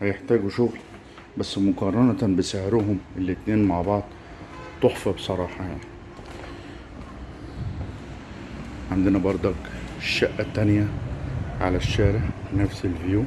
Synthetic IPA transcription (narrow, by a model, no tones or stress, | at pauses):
hjɪħt̪aːɡuʃʊɣl | basːmʊkɑrˤɑnat̪abɪsahɾʊɦʊmʔɪlːit̪neːnmaʕbɑʕd̪ˤ | t̪ʊħfɑbsˤɑɾˤɑːħɑjaʕni | ʕand̪ɪnabɑɾˤd̪ˤɑkʃːaʔːat̪ːanja | ʕa̰laʃːaːɾɪʕnafsɪlbɪjuː